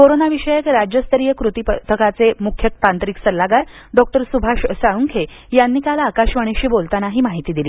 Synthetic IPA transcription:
koɾonaʋiɕəjəkɾad͡ʑjəst̪əɾijəkɾut̪ipət̪ʰəkat͡semukʰjək̚t̪ant̪ɾiksəlːaɡaɾ | ɖɔk̚ʈəɾsubʱaɕsaɽuŋkʰe | janːiːkalaːkaɕʋəɽ̃eɕiːbolt̪anaɦiːmaɦit̪iːd̪iliː

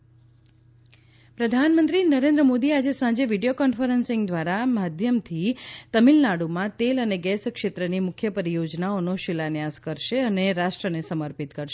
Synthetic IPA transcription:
pɾəd̪ʱanmənt̪ɾinəɾẽnd̪ɾəmod̪iad͡ʒesãd͡ʒeʋiɖijokɔnfəɾənsɪ̃ŋɡd̪ʋaɾamad̪ʱjəmt̪ʰit̪əmilnaɽumãt̪eləneɡɛskʃet̪ɾənimʊkʰjəpəɾijod͡ʒnaonoʃɪlanjaskəɾʃeəneɾaʃʈɾənesəməɾpit̪kəɾʃe

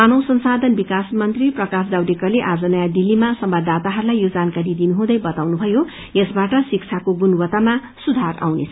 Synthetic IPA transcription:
anʌwsʌnsad̪ʱʌnbikasmʌnt̪riprʌkasdawdekʌrleʔad͡zʌnʌjad̪ilːimasʌmbad̪ʱat̪aɦʌɾulajjod͡zankaɾid̪inuɦũd̪ʌjbʌt̪awnubʱʌjo | jesbaʈʌsik̚t͡sʰakoɡunwʌt̪ama | sud̪ʱara̰wnḛt͡sʰʌ

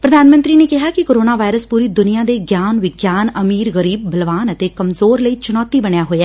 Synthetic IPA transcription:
pɾəd̪ʱaːnmə̃nt̪ɾiːneːkɪɦaːkɪkoːɾoːnaːʋaːɪɾəspuːɾiːd̪ʊnijãːd̪eːɡjaːnʋɪɡjaːnəmiːɾɣəɾiːbːəlʋaːnət̪eːkəmzoːɾləiːt͡ʃʊnɔːt̪iːbəɳjaːɦoːeɛː

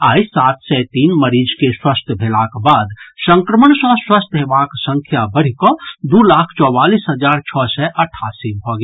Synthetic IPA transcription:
aːisat̪sɛt̪iːnməɾid͡ʒkeswəst̪ʰəbʱelakbad̪sə̃ŋkɾəməɳsɔ̃swəst̪ɦebaksə̃ŋkʰjabəɽ̤ikɔd̪ulakʰt͡ʃɔbalisɦəd͡ʒaɾt͡ʃʰɔsɛʔəʈʰːasibʱɔɡe

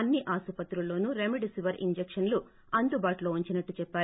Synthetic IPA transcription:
ɐnːiʔaːsupɐt̪ɾulːo̞ːnuɾemiɖisiʋɐɾḭɲd͡ʒekʂɐnlu | ɐnd̪ubaːʈuloːuɲt͡ʃinɐʈːut͡ʃɛpːaːɾ

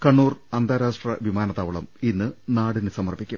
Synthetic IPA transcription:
kɐɳːuːrɐnd̪aːɾaːʂʈrɐʋimaːnɐt̪aːʋɐɭɐminːɨnaːɽinɨsɐmɐrbikʲːum

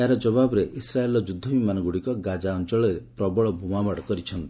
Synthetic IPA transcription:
aɾɔd͡ʒɔβabɔɾeʔisɾaelɔd͡ʒud̪ʱːɔbimanɔɡuɽikɔɡad͡ʒaɔnt͡ʃɔɭɔɾepɾɔbɔɭɔbʱumabaɽkɔɾit͡ʃʰɔnt̪i̥

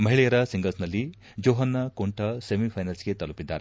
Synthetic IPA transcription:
mɐɦiɭɛjɐɾɐsiŋɡɐlsnɐlːi | d͡ʒoːɦɐnːɐkoɳʈɐsemipʰɐjnɐlsɡe̞t̪ɐlupid̪ːa̰ːɾe

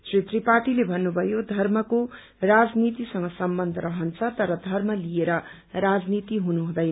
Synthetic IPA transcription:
t͡sret̪ripaʈilebʱʌnːubʱʌjod̪ʱʌrmʌko | rad͡znit̪isʌŋɡʌsʌmbʌnd̪ʱʌɾʌɦʌnt͡sʰʌt̪ʌɾʌd̪ʱʌrmʌlijeɾʌ | ɾad͡znit̪iɦunuɦũd̪ʌj

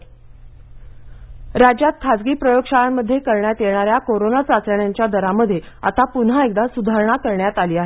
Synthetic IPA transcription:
ɾad͡ʑjat̪̚kʰad͡zɡiːpɾəjoɡʂaɭaməd̪ʱːjekəɾɳjat̪jeɳ̃aɾjakoɾonat͡sat͡sɾəɳjaɲt͡ɕjad̪əɾaməd̪ʱje | a̰t̪apunɦaek̚d̪asud̪ʱaɾɳ̃akəɾɳjat̪aliːaɦe

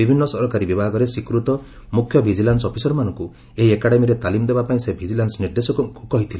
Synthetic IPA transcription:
bibʱinːɔsɔɾɔkaɾibibʱaɡɔɾesikɾut̪ɔ | mukʰːjɔbʱid͡ʒilansɔpʰisɔɾɔmanɔŋku | eɦiekaɽemiɾet̪alimɔd̪ebapaĩsebʱid͡ʒilansniɾd̪esɔkkukɔɦit̪ʰile

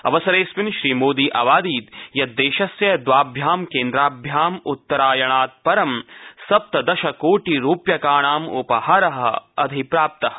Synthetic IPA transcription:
ɐ̰ʋɐsɐɾeːsʋinʃɾiːmoːd̪iːʔɐʋaːd̪iːt̪jɐt̪̚ːeːʃɐsjɐd̪ʋaːbʱjaːmkeːnd̪ɾaːbʱjaːmut̪ːɐɾaːjɐɳaːt̪̚pɐɾɐmsɐp̚t̪ɐd̪ɐʃɐkoːʈiɾuːpjɐkaːɳaːmupɐɦaɾɐɦɐ̆ɐd̪ʱipɾaːp̚t̪ɐɦɐ̆

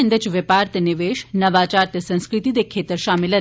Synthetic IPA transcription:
ənd̪et͡ɕʋɐpaːɾt̪ənɪʋeːʃnɐʋat͡ʃaːɾt̪əsə̃ñskɾɪt̪iːd̪ekʰeːt̪əɾʃaːmilə

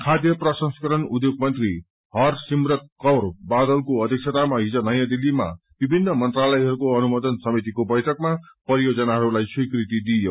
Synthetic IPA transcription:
kʰad̪jʌprʌsʌ̃nskʌɾʌnud̪joɡ̚mʌnt̪ri | ɦʌrsimrʌt̪̚kʌwrbad̪ʌlkoʌd̪ʱjik̚sʰet̪amaɦid͡zʌnʌjãd̪ilːima̰ | b̥ibʱinːʌmʌnt̪ralʌjɦʌɾukoʌnumʌd̪ʌnsʌmit̪ikobʌjʈʰʌkma | pʌɾijod͡zʌnaɦʌɾulajswikrit̪id̪ijo

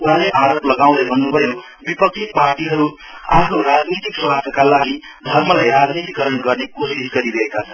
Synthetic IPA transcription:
uɦaleʔaɾoplʌɡaw̃d̪ʌbʱʌnːubʱʌjo | bipʌk̚sʰit̪̚parʈiɦʌɾu | a̰pʰnoɾad͡znit̪ikswat̪ʰʌkalaɡi | d̪ʱʌrmʌlajrad͡znit̪ikʌɾʌnɡʌrnekosisɡʌɾiɾʌɦekat͡sʰʌnn

